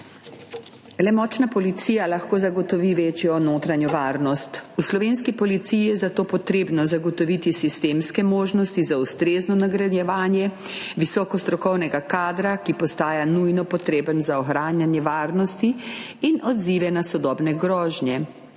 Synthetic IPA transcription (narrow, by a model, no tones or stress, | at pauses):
lɛmɔːt͡ʃnapɔlit̪sijalaxkoːzaɡɔt̪ɔʋiʋeːt͡ʃjɔnoːt̪ɾanjɔʋaːɾnɔst̪uslɔʋeːnskipɔlit̪sijijɛzat̪oːpɔt̪ɾeːbnɔzaɡɔt̪ɔʋit̪isist̪eːmskɛmoːʒnɔst̪izaust̪ɾeːznɔnaɡɾad̪jɛʋaːnjɛ | ʋisɔːkɔst̪ɾɔkɔwnɛɡakaːd̪ɾakipɔst̪aːjanujnɔpɔt̪ɾeːbənzaɔxɾaːnjanjɛʋaːɾnɔst̪iːnɔd̪ziːʋɛnasɔd̪ɔːbnɛɡɾɔːʒnjɛ